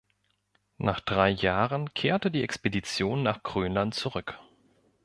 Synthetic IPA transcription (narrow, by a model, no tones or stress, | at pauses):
naːχd̥ʁaɪjaːʁənkʰeːɐtədiːʔɛkspedit͡sjoːnːaːχɡ̥ʁ̥øːnlantt͡suʁʏk